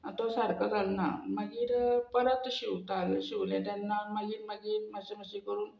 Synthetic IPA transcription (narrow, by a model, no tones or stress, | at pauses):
t̪osaɾkad͡zalna̰məɡiːɾpəɾət̪ɕiʋt̪alɕiʋljãt̪janːaməɡiːɾməɡiːɾməseməɕikəɾuːn